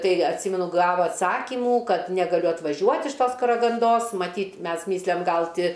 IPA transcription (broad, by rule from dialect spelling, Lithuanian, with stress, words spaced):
ˈtɐɪ ɐtʲˈsʲiːmʲɛnʊ ˈɡɑːʋoː ɐtˈsɑːkʲɪmuː ˈkɐt nʲɛɡɐˈlʲʊ ɐtʋɐˈʒʲuɔtʲ ɪʃ ˈtoːs kɐrɐɡɐnˈdoːs mɐˈtʲiːtʲ ˈmʲɛs ˈmʲɪsʲlʲɛm ˈɡɐlˠ ˈtʲɪ